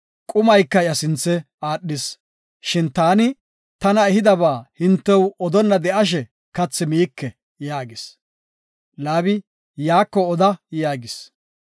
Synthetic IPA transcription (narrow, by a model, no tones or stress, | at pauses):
kʼʊmɐjkːɐjɐsɪnt͡sːɛ | aːɗːɪs | ʃɪnt̪aːnɪ | t̪ɐnɐɛhɪd̪ɐβaːhɪnt̪ːɛwɔd̪ɔnːɐd̪ɛʔɐʃ̬ɛ | kɐt͡sːɪmiːkːɛ | jaːɡɪs | laːbɪ | jaːkːɔɔd̪ɐjaːɡɪs